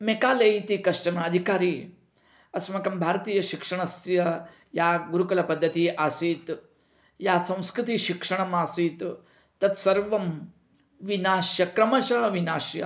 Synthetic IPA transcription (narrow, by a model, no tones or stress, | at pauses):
mekaːlɐjit̪ikɐʂʈɐnɐːd̪ʱikaːɾiː | ɐsmɐkɐmbʱaːɾt̪iːjɐʃikʂɐɳ̃ɐsjɐ | jaːɡuɾukɐlɐpɐd̪ʱːɐt̪iːʔasiːt̪ | jaːsɐ̃w̃skɾɨt̪iʃikʂɐɳ̃ɐmaːsiːt̪ː | ɐt̪sɐɾʋɐm | ʋinaːʃjɐkɾɐmɐʃɐɦɐʋinaːʃjɐ̰